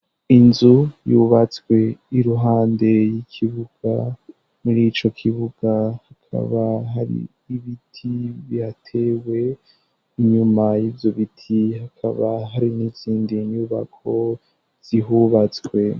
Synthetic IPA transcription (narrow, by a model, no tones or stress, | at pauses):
inzujuβat͡swe̞iɾuɦaːnde̞jikʰiβuɡ̥a̰ | muɾit͡ʃo̞kʰiβuɡ̥ahakʰa̰βaɦaɾḭː | βitʰiβiatʰe̞we̞ | iɲumajiːvjo̞βitʰiɦakʰa̰βaɦaɾiniziːndiɲuβa̰kʰo̞ | z̥iɦuβat͡swe̞